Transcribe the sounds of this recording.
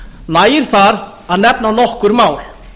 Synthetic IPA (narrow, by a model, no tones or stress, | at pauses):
naːjɪɾ̥θaɾ | aðnɛp̚nanɔhkʏɾmaːwl